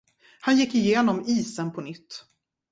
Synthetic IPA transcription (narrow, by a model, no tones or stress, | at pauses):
hanjɪkːɪjeːnɔmiːsənpʰɔnʏt̪ː